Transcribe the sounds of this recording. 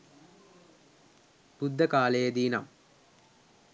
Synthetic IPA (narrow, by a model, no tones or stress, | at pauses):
pud̪ʱːɐkaːlejɐd̪iːnɐ̰m